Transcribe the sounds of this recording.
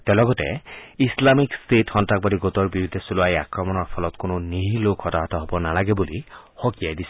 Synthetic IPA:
tɛlɔɡɔtɛ̰islamikstʰetxɔntak̚badiɡotɔɹbiɹud̪ʱɛsulʊajakɹɔmɔnɔɹpʰɔlɔtkononiɦilokʰɔtaɦɔtɔɦobɔnalaɡɛbuli | hokijajdisʰɛ̥

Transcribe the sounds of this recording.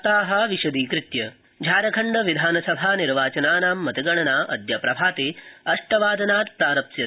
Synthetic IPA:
t̪aːɦɐʋiʃɐd̪iːkɾɪt̪jɐ | d͡ʒʱaːɾɐkʰɐɳɖɐʋid̪ʱaːnɐsɐbʱaːniɾʋaːt͡ʃɐnaːnaːmːɐt̪iɡɐɳɐnaːʔɐ̰d̪jɐpɾɐbʱaːt̪eːɐʂʈɐʋaːd̪ʱɐnaːt̪pɾaːɾɐpsjɐt̪

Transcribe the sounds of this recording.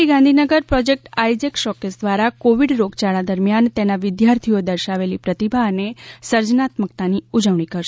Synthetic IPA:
iɡãnd̪ʱinəɡəɾpɾɔd͡ʒek̚ʈajd͡ʒekʃɔkesd̪ʋaɾakoʋiɽɾoɡt͡ʃaɭad̪əɾmjant̪enaʋɪd̪jaɾt̪ʰiod̪əɾʃaʋelipɾət̪ibʱaɦənesəɾd͡ʒnat̪mək̚t̪aniud͡ʒəʋɳ̃ikəɾʃe

